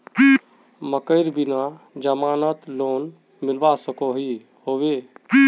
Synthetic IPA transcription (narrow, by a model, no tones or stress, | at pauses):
məkəɪɾbina | d͡ʒəmaːnət̪loːn | milbasəkoɦi | hoʋe